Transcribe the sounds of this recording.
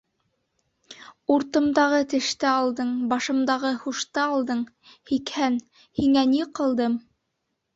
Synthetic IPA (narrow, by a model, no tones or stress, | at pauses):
uɾt̪ɤ̆md̪ɑʁɤt̪ɘ̆ʃt̪ɘɑlˠd̪ɤɴbɑʃɤ̆md̪ɑʁɤhuʃt̪ɑɑlˠd̪ɤɴ | hikhæn | hiŋæniqɤ̆lˠd̪ɤm